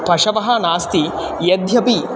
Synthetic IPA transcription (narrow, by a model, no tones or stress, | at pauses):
pɐʂɐʋɐɦɐnaːst̪i | jɐd̪ʱjɐpi